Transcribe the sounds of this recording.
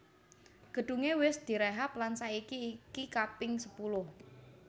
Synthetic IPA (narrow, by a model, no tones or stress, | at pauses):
ɡ̥ə̤ɖ̪̥ṳŋewɪsd̪̥i̤ɾɛɦap̚lansaikiːkikapɪŋsəpulʊh